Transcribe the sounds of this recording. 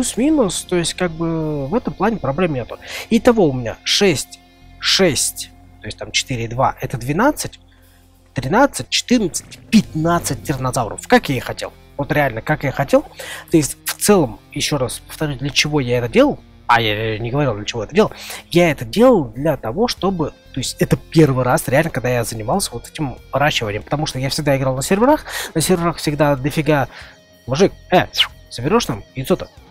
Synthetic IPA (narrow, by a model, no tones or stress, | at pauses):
plʲusmʲinʊst̪o̞ɪsʲtʲkaɡ̚bɨvɛt̪əmplˠanʲɪpɾɐblʲemnʲet̪ʊit̪ɐvo̞ʊmʲɪnʲa̰ʂɛsʲtʲ | ʂɛsʲtʲ | t̪o̞ɪsʲtʲt̪amt͡ɕɪ̥t̪ɨɾʲɪd̪va̰ʔɛt̪əd̪vʲɪnat̪sɨtʲ | t̪ɾʲɪnat̪sɨt̚ʲt͡ɕɪ̥t̪ɨrnət̪sɨ̥tʲpʲɪt̪nat̪sɨt̚ʲd̪ʲɪrnɐzavɾə̰fkakjaixɐtʲḛlˠ | vot̪ɾʲɪalʲnəkakjaxɐtʲe̞lˠt̪o̞ɪsʲtʲft̪sɛlˠəmjɪɕːo̞ɾaspə̥ft̪ɐɾʲusʲd̪lʲət͡ɕɪvo̞jaɛt̪ədʲe̞lˠəlˠ | ajanʲɪɡəvɐɾʲilˠlʲət͡ɕɪvo̞ɛt̪ədʲelˠlˠjaɛt̪ədʲe̞lˠəlˠd̪lʲat̪ɐvo̞ʂt̪o̞bɨt̪o̞ɪsʲtʲɛt̪əpʲe̞rvɨjɾasɾʲɪalʲnəkaɡ̚d̪ajazənʲɪmalˠsʲəvo̞t̪ɛ̥tʲɪmvɨɾaɕːɪvənʲɪjəmpə̥t̪ɐmuʂt̪ojafsʲɪɡ̚d̪aɪɡɾalˠnəsʲɪrʲvʲɪɾaxnəsʲɪrʲvʲɪɾaxfsʲɪɡd̪ad̪lʲəfʲɪɡa | mʊʐɨk̚ɛsəbʲɪɾʲoʂnamjɪt̪sot̪ə